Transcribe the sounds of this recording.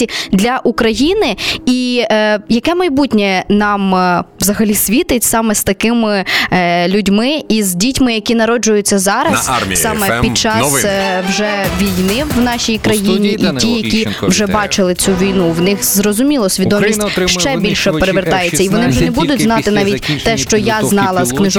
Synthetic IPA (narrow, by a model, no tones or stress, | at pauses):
sʲid̪lʲɐʔukɾɐjinɪi | jɐkɛmɐjbutʲnʲɛnɑmʋzɐɦɐlʲisʲʋʲit̪ɪtʲsɑmɛst̪ɐkɪmɪ | lʲʊdʲmɪizʲdʲitʲmɪjɐkʲin̪ɐɾɔd͡ʒʊjʊt͡sʲːɐzɑɾɐsssɑmɛpʲid̪̚t͡ʃɑwʒɛʋʲijnɪwnɑʃʲijkɾɐjinʲiʔitʲijɐkʲi | wʒɛbɑt͡ʃɪlˠɪt͡sʲuʋʲijnuwnɪxzrɔzʊmʲilˠɔsʲʋʲid̪ɔmʲisʲtʲʃt͡ʃɛbʲilʲʃɛppeɾeʋert̪ɑjet͡sʲːɐiʋɔnɪwʒɛnɛbud̪ʊtʲznɑt̪ɪnɑʋʲitʲt̪ɛʃt͡ʃɔjaznɑlˠɐsknɪʒ